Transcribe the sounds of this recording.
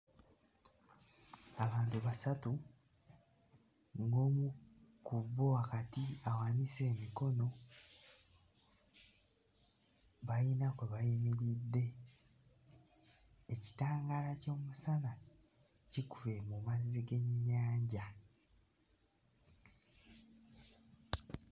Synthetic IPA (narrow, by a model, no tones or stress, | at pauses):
aβaːntuβasatu | ŋɡo̞ːmukuβoakatiawanise̞ːmiko̞no̞ | βajinakweβajimiɾidːe̞ | eci̥taːŋɡaːlaco̞ːmusana | cikuve̞mumaziɡe̞ɲɲaːɲɟa